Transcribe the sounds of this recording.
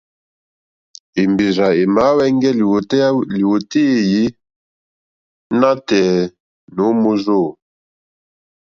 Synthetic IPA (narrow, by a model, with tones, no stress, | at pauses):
i˨mbi˨za˨i˨ma˨˦wɛ˦ŋ˦ɡɛ˦˨˦li˨wu˨ti˦˨ji˦ | na˦tɛ˨ | nu˨˦mu˦zo˦˨